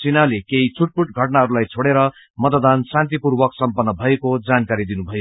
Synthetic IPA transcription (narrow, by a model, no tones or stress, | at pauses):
t͡sinalekeɦit͡sʰuʈ̚puʈɡʱʌʈnaɦʌɾulajt͡sʰoɽeɾʌ | mʌt̪ʌd̪ansãnt̪ipurwʌksʌmpʌnːʌbʱʌekod͡zankaɾid̪inubʱʌjo